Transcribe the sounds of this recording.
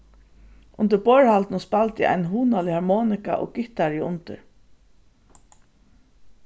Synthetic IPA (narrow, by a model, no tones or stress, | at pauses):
ʔʊnt̪ɪbɔːɹhalt̪nʊspalt̪ɪʔa̰jnɦuːnalɪhaɹmɔːnɪka̰ʔɔ̰ːɡ̥ɪht̪aɹjɪʊnt̪ɪɹ